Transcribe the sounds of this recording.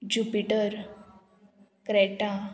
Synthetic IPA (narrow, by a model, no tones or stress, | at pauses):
d͡ʑupiʈəɾ | kɾɛʈa